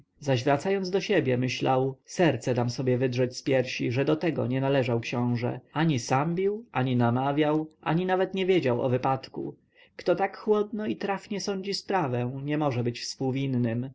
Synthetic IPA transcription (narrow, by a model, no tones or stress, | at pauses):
zaʑvɾat̪sajɔnzd̪ɔɕɛbʲjɛmɘɕlawsɛɾt̪sɛd̪amsɔbʲjɛvɘd̪ʐɛt͡ɕspʲjɛɾɕḭʐɛd̪ɔt̪ɛɡɔ̰ɲɛnalɛʐawkɕɔ̃w̃ʐɛ̰aɲisambʲiwaɲinamavʲjawʔa̰ɲinavɛt̪ɲɛvʲjed͡ʑawɔ̰vɘpat̪kṵ | kt̪ɔt̪akxwɔd̪̚nɔit̪ɾafɲɛsɔɲd͡ʑispɾavɛ̃ɲɛmɔʐɛbɘt͡ɕfspuwvʲinːɘm